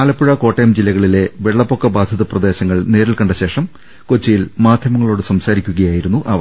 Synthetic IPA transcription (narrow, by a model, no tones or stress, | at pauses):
aːlɐpːuɻɐko̞ːʈːɐjɐmd͡ʑilːɐɣɐɭile̞ʋeɭːɐpːo̞kːɐbaːd̪ʱɐðɐprɐd̪e̞ːɕɐŋːɐɭne̞ːɾilkɐɳɖɐɕe̞ːʂɐm | kot͡ɕːijilmaːd̪ʱjɐmɐŋːɐɭo̞ːɽɨsɐmsaːɾikʲːuɣɐjaːjiɾunːuʔɐʋɐ